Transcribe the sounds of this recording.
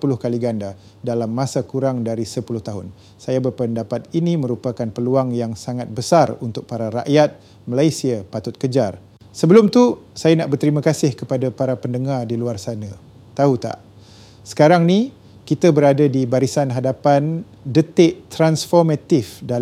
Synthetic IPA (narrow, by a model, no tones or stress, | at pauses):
pulʊhkaliɡanda | dalamːãsakuɾaŋdaɾisəpulʊht̪aɦʊn | sajabərpəndapat̪inimə̃ɾupakanpəluaŋjaŋsaŋat̪̚bəsarunt̪ʊk̚paɾaɾa̰ʔjat̪̚ | məlajsiapat̪ʊt̪̚kəd͡ʒar | səbəlʊmt̪usajanaʔbərt̪əɾiməkasɪhkəpadapaɾapəndəŋardiluarsana | t̪aut̪a̰ʔ | sə̥kaɾaŋni | kit̪abəɾadadibaɾisanɦadapan | dət̪ɪʔt̪ɾansfɔrmat̪ɪfda